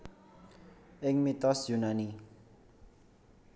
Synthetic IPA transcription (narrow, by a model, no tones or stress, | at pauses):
ʔɪŋmit̪ɔsjunani